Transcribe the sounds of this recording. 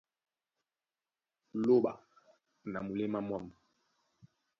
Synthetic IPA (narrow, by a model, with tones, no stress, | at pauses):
lo˦ɓa̰˨ | na˨mu˨le˦ma˦mwa˦˨m˨